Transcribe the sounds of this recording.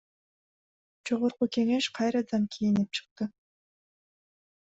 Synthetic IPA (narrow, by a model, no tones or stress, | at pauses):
d͡ʒo̞ʁo̞ɾquke̞ŋe̞ʃqʰɑjɾɑd̪ɑnkʲʰijinip̚t͡ʃʰɯ̥q̚t̪ɯ